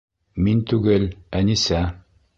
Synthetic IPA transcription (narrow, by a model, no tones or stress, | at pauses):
mint̪ʉɡɘlænisæ